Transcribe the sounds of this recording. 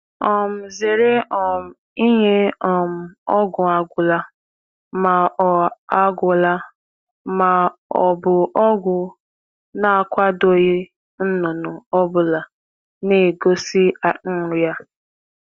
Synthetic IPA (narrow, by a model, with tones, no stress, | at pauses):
ɔ˨m̩˨ze˨ɾe˦ɔ˨m̩˨ | i˦ɲe˦ɔ˨m̩˨ɔ˦ɡʊ˨a˨ɡʷʊ˨la˦ | ma˨ʔɔ˨a˦ɡʷʊ˨la˦ | ma˨ɔ˨bʊ˨ʔɔ˦ɡʷʊ˨ | na˦a˨kʷa˦do˦ɣe˦ | n̩˦nʊ˨nʊ˨ɔ˦bʊ˨la˨ | ne˨ɡo˦si˦a˨˦n̩˦ɾʊ˨˦ja˦